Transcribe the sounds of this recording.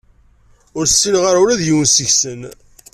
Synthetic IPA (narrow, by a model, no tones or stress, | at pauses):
ʊɾsːilʁaɾuɾæðjiwənsəçsən